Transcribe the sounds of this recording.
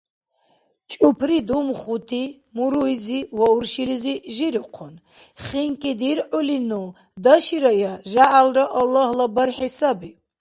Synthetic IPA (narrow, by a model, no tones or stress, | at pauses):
t͡ʃʼupʰɾid̪umχut̪ʰi | muɾuiziwauɾʃiliziʒiɾiqʰɔn | χiŋkʼid̪iɾʕulinu | d̪aʃiɾajaʒaʔalɾaʔɑlːahlabaɾħɛsabi